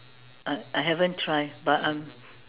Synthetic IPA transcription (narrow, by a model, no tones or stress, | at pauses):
ʔaɪʔajɦɛvə̃ntʰɹaɪbatãm